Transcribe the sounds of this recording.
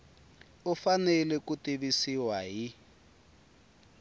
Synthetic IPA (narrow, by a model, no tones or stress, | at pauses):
ufanɛlɛkutiβisiwaɦi